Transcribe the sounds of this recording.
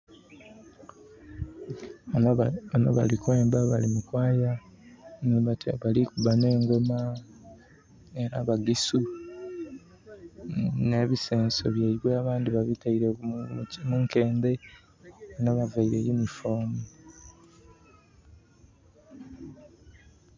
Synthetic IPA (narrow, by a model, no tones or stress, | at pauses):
ano̰βa̰likwe̞ːmbaβalimukwaːja | nβatβalikuβaneːŋɡo̞ma | eɾaβaɡisu | ne̞ːβise̞ːnso̞̰βjeiβweaβaːndiβaβitaiɾe | muŋke̞ːmbe̞ | naβavaiɾejunifoːni